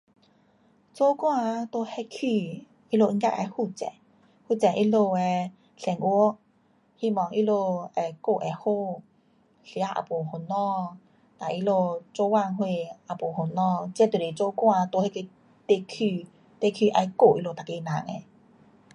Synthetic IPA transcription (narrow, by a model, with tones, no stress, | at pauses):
t͡so˦kwã˧t̪o˧hɛ˧kʰi˧ | i˦˧lo˧ʔka˧ʔa̰˧jhu˧˨t͡sɛ̰˧˨ | hu˧˨t͡sɛ˨ʔi˧lo˧ɛ˧ | ɬɛ˨˩ŋʔu˧˦ | hi˧mɔ˨˦ŋʔi˧˥lo˧ɛ˨˧ko˧˨ʔɛ˨˩ho˧˨ | ɬi˧a˦ʔa̰˨po˨˩ho˨˩nɔ̃˥˧ | t̪a˨ʔi˧lo˧˨t͡so˧wa˧˨ŋɦwe˧ʔa˨˩po˨˩ho˨˩nɔ̃˧t͡sɛ˧˦t̪u˨le˨˩t͡so˧˦kwã˧t̪o˧he˧ke˧ | t̪e˧kʰy˧ | t̪e˧kʰi˧ʔa˧jko˧˨ʔi˧lo˧˨t̪a˨˩ke˧˨nã˨˦ŋɛ̰˧˨